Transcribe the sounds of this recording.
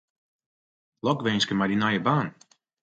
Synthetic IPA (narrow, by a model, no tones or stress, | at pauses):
lɔkʋenskəmadinajəbaːn